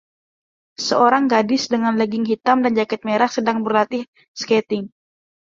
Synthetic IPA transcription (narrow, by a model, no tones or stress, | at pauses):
səoɾaŋɡadɪsdəŋanləɡɪŋɦit̪amdand͡ʒakɛt̪̚meɾahsədaŋbərlat̪ɪh | skɛt̪ɪŋ